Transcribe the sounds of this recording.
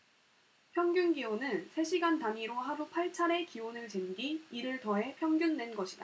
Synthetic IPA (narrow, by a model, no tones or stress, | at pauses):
pʰjʌŋɡjunɡionɯnsʰe̞ɕʰiɡantaɲiɾoɦaɾupʰaɭt͡ɕʰaɾe̞kionɯɭt͡ɕenɡiːɾɯɭtʌe̞pʰjʌŋɡjunːenɡʌɕʰid̥a